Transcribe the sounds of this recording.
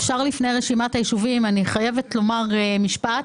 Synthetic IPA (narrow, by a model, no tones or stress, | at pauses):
fʃaʁlifnejʁeʃimatajiʃuvimaniχaje̞ve̞tlo̞maʁmiʃpat